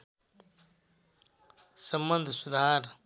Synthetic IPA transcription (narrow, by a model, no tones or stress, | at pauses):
sɐmbənd̪ʱsud̪ʱaːɾ